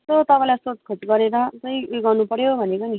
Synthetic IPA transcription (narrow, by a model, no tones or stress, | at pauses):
t̪ot̪ʌpãj̃lajsot̪̚kʰot͡sɡʌɾeɾʌt͡sʌj̃ɡʌrnupʌɾjobʱʌnekʌni